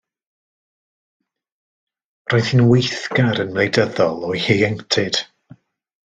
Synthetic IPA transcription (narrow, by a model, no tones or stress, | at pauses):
roːɨð̥hɨnwejθɡaɾənmlejdəðɔlˠɔjheɛŋtʰɪd̥